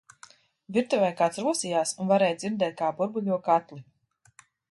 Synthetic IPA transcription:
vʲiɾt̪uvajkaːt̪sɾuɔsiːjaːsunvaɾɛːjd̪ziɾd̪ɛːt̪̚kaːbuɾbulʲuɔkat̪lʲi

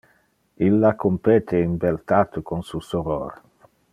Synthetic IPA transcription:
ilːakʰompeːt̪ʰeimbelt̪at̪okonsusoɾo̰r

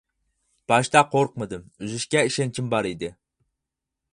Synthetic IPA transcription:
b̥ɑʃt̪ɑqʰoɾq̚mɨd̪ɨmyzɪʃkʲɛiʃɛnt͡ʃʰɪmbɑɾid̪ɪ

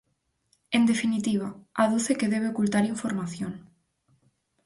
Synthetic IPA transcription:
end̪efinit̪iβ̞aaðuθekeðeβ̞eokult̪aɾiɱfoɾmaθjoŋ

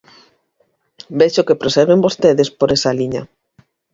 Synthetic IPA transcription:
beʃokepɾosɛɾβembost̪eðespoɾesaliɲɐ

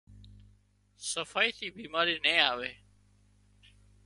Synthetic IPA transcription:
səfaːiːt̪iːbiːmaːɾiːnẽːaːʋeː

